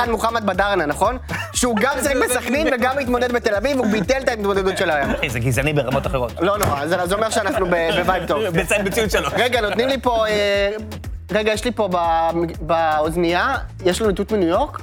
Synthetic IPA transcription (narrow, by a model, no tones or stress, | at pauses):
ad̪muχamat̪̚badaʁnanaχo̞nʃeuɡamt͡saʁiχmesaχnɛnveɡamit̪mo̞ded̪bet̪e̞lavivubit̪elt̪ait̪mo̞dedotʃelajamezeɡizanibeʁamo̞t̪aχeʁo̞t̪lo̞noʁazzeo̞meʁʃeanaχnubebevajt̚t̪ovbesaimbet͡siuʃeloʁeɡano̞t̪nimlipo̞ee | ʁeɡajɛʃlipo̞bambaozmijajeʃlanut̪utminujo̞ʁk